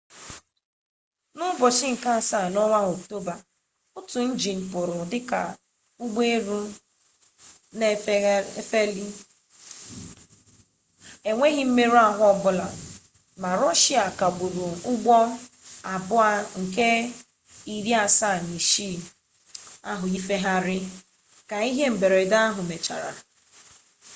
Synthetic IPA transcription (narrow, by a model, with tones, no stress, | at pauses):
nʊ˦bɔ˨t͡ʃɪ˦ŋ̩˨ka˦a˨sa˦˨nɔ˦ma˦o˨k̚to˦ba˨ | ʊ˦tʊ˨n̩˦d͡ʒi˨m̩˨pʊ˨ɾʊ˨dɪ˦ka˨ | ʊ˦ɡ͡be˦ɾu˦ | ne˦fe˦li˦ | e˨ŋʷe˦ɦɪ˦m̩˦me˦ɾu˦a˦ɦʊ˦ɔ˦bʊ˦la˨ | ma˨ɾɔ˦ʃi˦a˨ka˨ɡ͡bu˨ɾu˨ʊ˦ɡ͡bɔ˦ | a˨bʊ˦a˦ŋ̩˨ke˦ | i˨ɾi˦a˨sa˦˨ni˨ʃi˦˨ | a˦ɦʊ˨i˦fe˦ɦa˦ɾɪ˦ | ka˨i˦ɦe˦m̩˨be˨ɾe˨da˦a˦ɦʊ˨me˨t͡ʃa̰˨ɾa̰˨